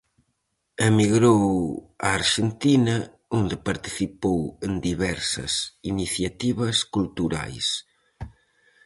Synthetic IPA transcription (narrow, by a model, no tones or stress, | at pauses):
emiɣɾow | aːɾʃent̪inɐ | ond̪ɪpaɾt̪i̥θipowend̪iβɛɾsɐ̰siniθjat̪iβɐskult̪uɾa̰js